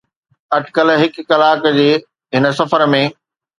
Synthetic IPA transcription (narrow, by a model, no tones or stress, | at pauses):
ɐʈʰkəlɦɪkːɐlaːkd͡ʑeː | ɦɪnə̆sɐfəɾmẽ